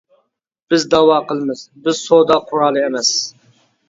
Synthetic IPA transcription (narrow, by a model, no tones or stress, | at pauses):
b̥ɪzd̪ɑwɑːqəlˠmɨz̥bɪzsod̪ɑqʰʊɾɑːlˠɨemɛs